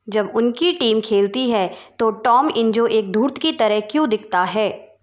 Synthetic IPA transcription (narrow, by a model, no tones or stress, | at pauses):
d͡ʒɐbʊnkiʈiːmkʰeːlt̪iɦɛːt̪oʈɔːmɪ̃nd͡ʒoʔeːk̚d̪ʱuːɾt̪ʰkit̪ɐɾəɦkjõd̪ɪkʰt̪aɦɛː